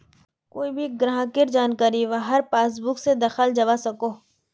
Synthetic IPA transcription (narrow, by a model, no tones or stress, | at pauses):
koːibʱiɡɾaɦãkɪɾd͡ʒaːnkaːɾiʋaɦɐɾpaːs̬bʊksed̪ɐxəld͡ʒɐʋasɐkoː